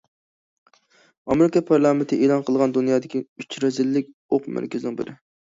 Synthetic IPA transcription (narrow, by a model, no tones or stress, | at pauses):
ɑmeɾɪkɑpʰɑɾlˠɑment̪ʰɪʔeːlˠɑnqʰəlˠʁɑnd̪unjɑːd̪ɪkʲiyt͡ʃɾɑzɪlːɪk̚ʲ | oqmæ̰ɾkʲʰɪzɪnɪŋbɪ̰ɾɪ